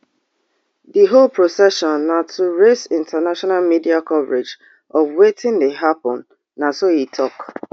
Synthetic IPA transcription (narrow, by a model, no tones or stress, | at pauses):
diɦolpɹosɛʃɔ̃nːatʰuɹesɪ̃ntanaʃɔnalmidiakɔvɹed͡ʒ | ɔvwetɪ̃ndeɦapɔ̃nː | asohitʰɔk